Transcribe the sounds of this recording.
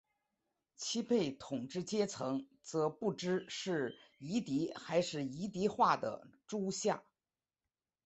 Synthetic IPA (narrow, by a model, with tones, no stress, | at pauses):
t͡ɕʰi˥pʰe˥˩ɪt̪ʰʊ˨˩ŋʈ͡ʂɻ̩˥˩t͡ɕjɛ˥t͡sʰɤ˧˥ŋ | t͡sɤ˧˥pu˥˩ʈ͡ʂɻ̩˥ʂɻ̩˥˩i˧˥t̪i˧˥xa˧˥ɪʂɻ̩˥˩i˧˥t̪i˧˥xwa˥˩d̪ə̰˩ʈ͡ʂu˥ɕja̰˥˩